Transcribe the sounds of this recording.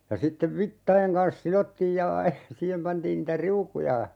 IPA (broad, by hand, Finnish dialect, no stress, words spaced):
jɑ sitːeʋ ʋitːɑj̆eŋ kɑns silotːiːj jɑ siːhem pɑntiːn niːtæ riukujɑ